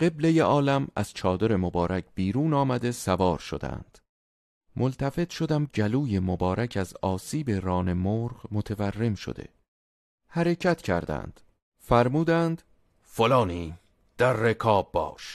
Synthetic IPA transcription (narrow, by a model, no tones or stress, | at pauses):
ɢe̞blejeʔɒːlæmæ̰z̥t͡ʃʰɒːd̪o̞ɾe̞mobɒːɾæcʰb̥iːɾuːnɒːmæd̪e̞sævɒːɾʃo̞̰d̪æ̰nd̪̥ | molt̪ʰæfe̞t̪ʃo̞d̪æmd͡ʒæluːje̞mobɒːɾʔæcʰæzɒːsiːbe̞ɾɒːne̞moːɾɢmo̞t̪ʰeværːe̞mʃo̰d̪e̞̰ | hæɾe̞cʰæt̪ʰcʰæ̰ɾd̪æ̰nd̪̥ | fæɾmuːd̪ænd̪̥ | folɒːniː | d̪̥æɾːekʰɒːbːɒ̰ːʃ